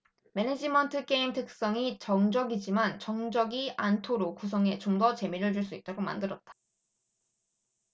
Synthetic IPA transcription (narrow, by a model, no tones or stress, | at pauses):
me̞ned͡ʑimʌntʰɯk͈e̞imtʰɯk̚s͈ʌŋit͡ɕʌŋd͡ʑʌɡid͡ʑimant͡ɕʌŋd͡ʑʌɡiantʰoɾokus̬ʰʌŋe̞t͡ɕomdʌt͡ɕe̞miɾɯɭd͡ʑuɭs͈uit̚t͈aɡoma̰ndɯɾʌt̚t͈ḁ